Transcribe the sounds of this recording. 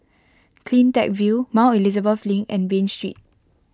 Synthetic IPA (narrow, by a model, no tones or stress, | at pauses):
kʰlĩntɛ̰k̚vumãilizəbəflĩŋkɛ̃nbẽnstɹḭt̚